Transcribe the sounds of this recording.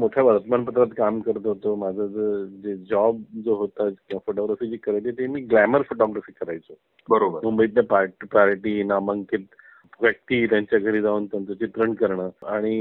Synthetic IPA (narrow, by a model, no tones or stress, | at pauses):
moʈʰjaʋəɾt̪əmanpət̪ɾat̪kamkəɾt̪oɦot̪omad͡zʱad͡zəd͡ʑed͡ʑɔbd͡zoɦot̪ad͡zkĩʋafoʈɔɡɾafiːd͡ʑiːkəɾajt̪et̪emiːɡlæməɾfoʈɔɡɾafiːkəɾajt͡so | bəɾobəɾmumbəiːt̪napaʈpaɾiʈiːnaməŋkit̪̚ | ʋək̚ʈ̪iːt̪jãɲt͡ɕjaɡʱəɾiːd͡zaunt̪ant̪ot͡ɕit̪ɾəɳkəɾɳəːaɽ̃i